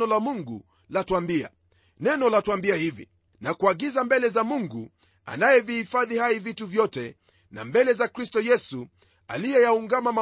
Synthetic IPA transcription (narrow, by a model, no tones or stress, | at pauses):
ɔlamuŋɡṵ | latuambia̰ | nɛnɔlatwambiahivḭ | nakuaɡizambɛlɛzamuŋɡu | a̰najɛvihifaðihaivituvjɔtɛ | na̰mbɛlɛzakɾistɔjɛsu | a̰lijɛjauŋɡamama